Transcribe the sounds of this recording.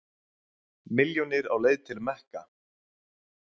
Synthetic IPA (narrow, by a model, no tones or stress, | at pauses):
mɪljonɪɾawleːjðt̪ʰɪlmɛhka